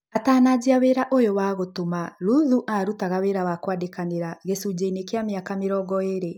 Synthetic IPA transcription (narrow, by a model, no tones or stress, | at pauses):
ataːnad͡ʑiaweɾaʔojowaɣotomaɾuðuʔaɾutaɣaweɾawakwadekaneɾaɣesud͡ʑeinekeameakameɾɔːɡɔeɾe